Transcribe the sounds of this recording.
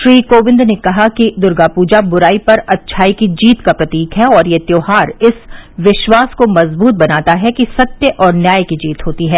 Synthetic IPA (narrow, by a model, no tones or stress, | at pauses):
ʃɾiːkoːʋɪ̃nd̪nekɐɦakid̪ʊɾɡapuːd͡ʒabʊɾaːipɐɾɐtːʃʰaːikid͡ʒiːt̪kapɾɐt̪iːkɦɛɔːɾjet̪joːɦaːɾɪsʋɪʃwaːskomɐzbuːt̪̚bɐnaːt̪aɦɛkisɐt̪jəʔɔːɾnjaːjkid͡ʒiːt̪ɦoːt̪iɦɛː